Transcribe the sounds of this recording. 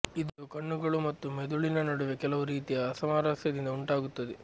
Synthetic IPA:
id̪ukɐɳːuɡɐɭumɐt̪ːumed̪uɭinɐnoɽuʋekɛlɐʋuɾiːt̪ijɐːsɐmaːɾaːsjɐd̪ind̪ɐuɳʈaːɡut̪ːɐd̪e

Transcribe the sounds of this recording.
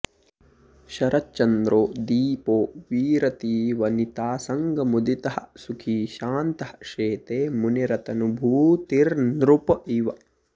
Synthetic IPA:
ʃɐɾʔɐtt͡ʃɐnd̪ɾoːd̪iːpoːʋiːɾɐt̪iːʋɐnit̪aːsɐŋɡɐmud̪it̪ɐhɐ̰sukʰiːʃaːnt̪ɐhɐ̥ʂeːt̪eːmuniɾɐt̪ɐnubʱuːt̪iɾnɾupɐiʋɐ

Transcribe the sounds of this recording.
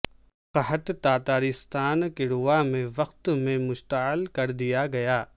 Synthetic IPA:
qɐɦət̪t̪aːt̪aːɾɪst̪aːnkɪɽʊamẽʋɐqt̪mẽmʊʃt̪aɪlkɐɾd̪ijaɡɐjaː

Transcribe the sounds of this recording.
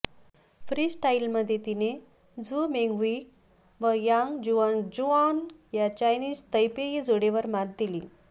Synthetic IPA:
fɾiːsʈailməd̪ʱjet̪ine | d͡zumeŋɡʋi | ʋəjaŋd͡ʑuand͡ʑuanjat͡ɕajniːst̪əjpeid͡zoɽeʋəɾmad̪d̪iliː

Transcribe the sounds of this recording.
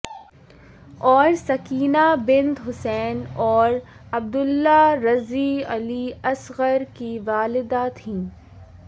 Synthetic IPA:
ɔːɾsɐkiːnabɪ̃nt̪ɦʊsɛːnɔːɾ | ɐb̚d̪ʊlːaɾɐziɐ̰liɐsɣəɾkiʋaːlɪd̪aːt̪ʰɦĩː

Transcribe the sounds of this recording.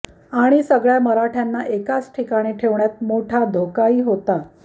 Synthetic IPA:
aɽ̃isəɡɭjaməɾaʈʰjanːaʔekat͡sʈʰikaɽ̃iʈʰeʋɳjat̪̚moʈʰad̪ʱokaiːɦot̪a

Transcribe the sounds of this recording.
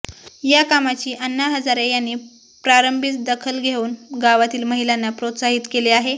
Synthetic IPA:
jakamat͡ɕiːʔənːaɦəd͡zaɾejanːiː | pɾaɾəmbʱit͡sd̪əkʰəlɡʱeuːnɡaʋat̪iːlməɦilanːapɾot̪saɦit̪keleaɦe

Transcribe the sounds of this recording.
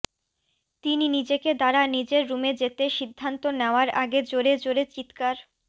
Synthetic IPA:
t̪ininid͡ʑeked̪aɾanid͡ʑeɾːumed͡ʑet̪eʃid̪ʱːant̪oneoaɾaɡed͡ʑoɾed͡ʑoɾet͡ɕit̪kaɾ

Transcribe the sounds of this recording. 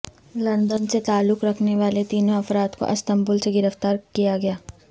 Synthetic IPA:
lɐ̃nd̪ənset̪aːlːʊkɾɐkʰneʋaːlet̪iːnõɐfɾaːt̪ko̰ʔɐst̪ɐ̃mbʊlseɡɪɾəft̪aːɾkijaɡɐjaː

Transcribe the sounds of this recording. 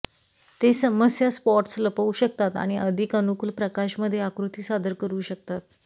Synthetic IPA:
t̪esəməsjaspɔɾʈsləpauɕək̚t̪at̪a̰ɽ̃iʔəd̪ʱikənukulpɾəkaɕməd̪ʱːjeakɾut̪iːsad̪ʱəɾkəɾuːɕək̚t̪at̪̚

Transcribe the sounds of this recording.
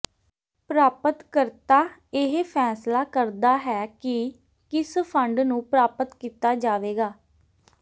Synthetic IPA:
pɾaːpət̪kəɾt̪aːɪɦpʰɛːslaːkəɾd̪aːɦɛːkɪ | kɪspʰəɳɖnũːpɾaːpət̪kiːt̪aːd͡ʒaːʋeːɡaː

